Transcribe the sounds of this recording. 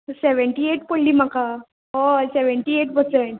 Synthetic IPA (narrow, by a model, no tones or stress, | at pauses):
seʋəɳʈiːeʈpoɽlːiːmaka | ɦoseʋəɳʈiːeʈbʱəseɳʈ